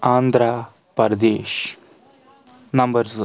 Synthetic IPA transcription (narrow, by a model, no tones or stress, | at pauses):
aːnd̪ʱɾaː | pɐɾɐd̪eːʃ | nɐmbɐɾz